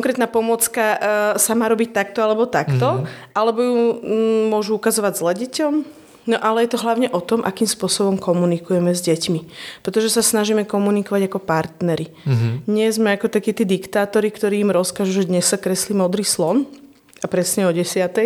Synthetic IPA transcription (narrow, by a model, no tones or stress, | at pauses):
kɔŋkɾɛːt̪naːpɔmʊɔt͡skasamaːɾɔbic̚t̪ak̚t̪ɔalɛbɔt̪akt̪ɔʔalɛbɔju | mʊɔʒuukazɔʋaɟzlɛɟɛcɔm | nɔʔalɛjɛt̪ɔɦlaʊɲɛʔɔt̪ɔmʔa̰kiːmspʊɔsɔbɔmkɔmunikujɛmɛzɟɛcmipɾɛt̪ɔʒɛsasnaʒiːmɛkɔmunikɔʋaɟakɔpaɾt̪nɛɾid̪ɲɛzmɛakɔt̪akiːt̪iːd̪ikt̪aːt̪ɔɾikt̪ɔɾiːimɾɔskaʒuʒɛd̪ɲɛssakɾɛsliːmɔd̪ɾiːslɔn | apɾɛsɲɛɔɟɛsɪat̪ɛj